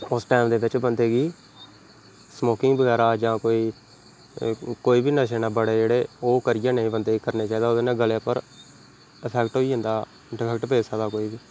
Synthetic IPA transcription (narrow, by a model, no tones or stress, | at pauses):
ʊsʈɛːmd̪eːbɪt͡ʃbənd̪eːɡiː | smoːkɪŋɡbəɡɛːɾaːd͡ʒãːkoːiː | koːiːbiːnəʃeːnaːbəɽeːd͡ʒeːɽeːoːkəɾɪjãːnəĩːbənd̪eːkəɾneːt͡ʃaːiːd̪aːod̪eːnẽːɡəleːpəɾ | əpʰɛkʈɦoːiːɦə̃ːnd̪aː | ɖɪpʰɛːkʈpeːsəad̪aːkoːiːbiː